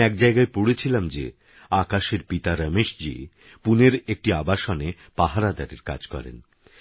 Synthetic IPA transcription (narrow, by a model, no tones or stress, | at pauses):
ɛk̚d͡ʑaeɡaepoɽet͡ɕʰilamd͡ʑḛ | akaʃeɾpit̪aɾəmeʃd͡ʑḭ | puneɾek̚ʈiabaʃɔne | paɦaɾad̪aɾeɾka̰d͡ʑkɔ̰ɾḛn